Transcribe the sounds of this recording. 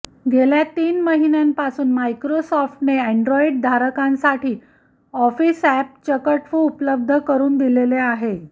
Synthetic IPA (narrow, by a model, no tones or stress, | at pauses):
ɡʱeljat̪iːnməɦinjampasuːnmajkɾosɔfʈneɛɳɖɾɔiɖ̚d̪ʱaɾəkãnsaʈʰiː | ɔfiːsæp̚t͡ɕəkəʈfuupləb̚d̪ʱəkəɾuːnd̪ileleaɦe